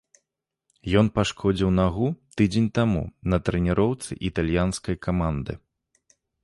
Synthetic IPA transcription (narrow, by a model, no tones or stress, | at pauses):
jɔnpaʂkʰɔd͡zʲiwnaɣut̪ɨd͡zʲenʲt̪amṵnɐt̪ɾɛnʲɛɾɔwt̪sɨ̰ʔit̪alʲjanskɐjkamand̪ɨ̰